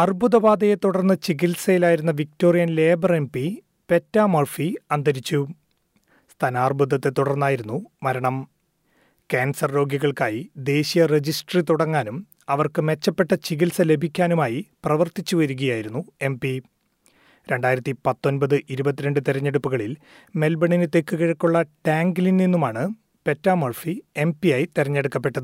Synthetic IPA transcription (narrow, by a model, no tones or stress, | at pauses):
ɐrbʱuðɐbaːd̪ɐjet̪uɽɐrnːɐt͡ɕiɣilsɐjilaːjiɾunːɐʋik̚to̞ːrijɐnle̞ːbɐre̞mpi | pe̞tːaːmorfiɐnd̪ʱɐɾit͡ɕːu | st̪ʰɐnaːrbud̪ɐt̪ːet̪ːuɽɐrnːaːjiɾunːumɐɾɐɳɐm | keːnsɐrɾoːɡjiɣɐɭkaːjid̪e̞ːɕijɐred͡ʑisʈrit̪uɽɐŋːaːnum | ɐʋɐrkɨme̞t͡ɕːɐpːe̞ʈːɐt͡ɕiɣilsɐle̞bʱikʲːaːnumaːjiprɐʋɐrt̪it͡ɕːuʋɐɾuɣɐjaːjiɾunːue̞mpi | ɾe̞ɳɖaːjɾɐt̪ːipɐt̪ːo̞nbɐðɨʔiɾubɐt̪ːiɾe̞ɳɖɨt̪iɾɐɲːe̞ɽupːuɣɐɭil | me̞lbɐɳinɨt̪ekːɨɣiɻɐkːuɭːɐʈaːŋɡilinninːumaːɳɨ | pe̞tːaːmɐɭfie̞mpijaːjit̪iɾɐɲːeɽukːɐpːe̞ʈːɐðɨ